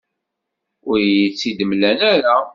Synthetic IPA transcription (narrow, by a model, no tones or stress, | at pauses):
ʊɾjit͡sːid̪əmlænæɾa